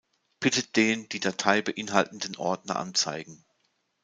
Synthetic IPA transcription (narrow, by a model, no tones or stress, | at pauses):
b̥ɪtəd̥eːnd̥iːdatʰaɪbəʔɪnɦaltn̩dənʔɔ̰ɐdnɐ̰ʔa̰nt͡sa̰ɪɡŋ̩